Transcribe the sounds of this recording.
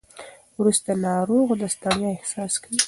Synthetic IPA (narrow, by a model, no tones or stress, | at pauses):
wɾust̪anɑɾoɣd̪əst̪ɑnjɑɪhsɑskawi